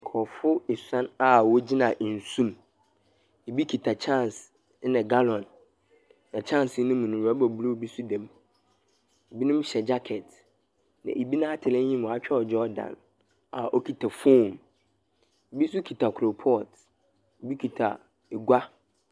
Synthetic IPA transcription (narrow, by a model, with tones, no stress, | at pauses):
kʰɔ˨fʊ˦e˨sã˦na˨wɔ˦d͡ʑɪ˦nã˨ʔn̩˨sũ˦m | e˨bi˦kʰi˨tʰa˨t͡ɕʰã˦˨ns | nɪ̃˨ɡa˦lɔ̃˨nː | ã˨t͡ɕʰã˦˨n˨sɪ˨˦nʊ̃˦mũ˨nʊ̃˨a˦bɔ˨blo˦˨bi˦sʊ˦dɛ̃˨m | e˨bi˦nʊ̃˦m˦ɕɛ˨d͡ʑa˦kʰɛ˨t | nã̰˨ʔe˨bi˦nã˦a˦tʰɪ˨ɾɪ̃˦ɲĩ˦m˨ɔ˨a˨˦t͡ɕᶣʰɛ˦ɔ˨d͡ʑɔ˦dã̰˨n | a̰˨ʔɔ˦kʰi˨tʰa˨fo˦˨m | e˨bi˦sʊ˦kʰi˨tʰa˨kʰɾo˨pʰɔ˦˨t | e˨bi˦kʰi˨tʰa˨ | ɡʷa˦